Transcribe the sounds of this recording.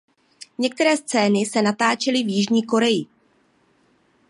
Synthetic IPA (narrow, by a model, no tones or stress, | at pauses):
ɲɛk̚t̪ɛɾɛːst͡sɛːnɪsɛnat̪aːt͡ʃɛlɪvjɪʒɲiːko̞ɾɛjɪ